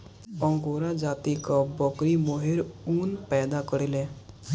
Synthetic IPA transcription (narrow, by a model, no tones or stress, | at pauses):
ɔ̃ŋɡoɾad͡ʒaːt̪ikɔbɔkɾimoɦeɾunpɛːd̪akəɾelẽ